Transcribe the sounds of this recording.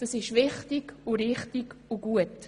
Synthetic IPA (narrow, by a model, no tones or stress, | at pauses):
d̥ɑsɪʃvɪχtɪɡ̥ʊɾɪχtiɡ̥ʊɡuət